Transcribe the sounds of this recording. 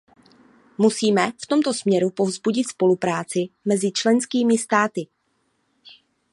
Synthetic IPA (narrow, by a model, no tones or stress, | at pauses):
musiːmɛft̪o̞mt̪o̞smɲɛɾupo̞vzbuɟɪt̪spo̞lupɾaːt͡sɪmɛzɪt͡ʃlɛnskiːmɪst̪aːt̪ɪ